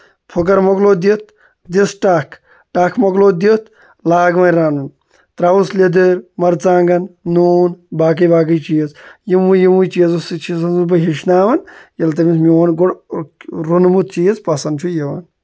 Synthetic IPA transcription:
pʰok̬ɐɾmokloːd̪it̪̚ʰ | d̪isʈaːkʰ | ʈaːkʰmɐɡloːd̪it̪ʰ | laːɡʋɐnɾaːnun | t̪ɾaːʋusled̪ɨɾmɐɾt͡saːŋɡɐnːuːnbaːk̬ɐjbaːk̬əjt͡ʃiːzjimujimujt͡ʃiːzusit͡ʃʰisɐnzubɐɦiʃnaːʋɐnjɐlt̪ɐmʲismiʋɐnɡoɽ | ɾunmut̪̚t͡ʃiːzpɐsɐnd̪t͡ʃʰujeʋɐn

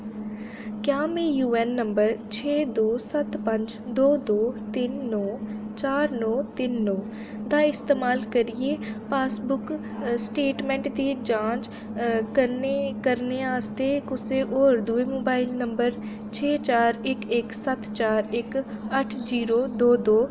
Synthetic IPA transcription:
kjaːmẽːjuːɛːnːəmbəɾt͡ʃʰeːd̪oːsət̪pəɲd͡ʒd̪oːd̪oːt̪ɪnːɔːt͡ʃaːɾnɔːt̪ɪnːɔː | d̪aːɪst̪eːmaːlkəɾieːpaːsbʊk | sʈeːʈmɛ̃ːɳʈd̪iːd͡ʒãːd͡ʒ | kənekəɾneːaːst̪eːkʊseːʔoːɾd̪ueːmoːbaːɪlnəmbəɾ | t͡ʃʰeːt͡ʃaːɾɪkɪksət̪t͡ʃaːɾɪkəʈʰd͡ʒiːɾoːd̪oːd̪oː

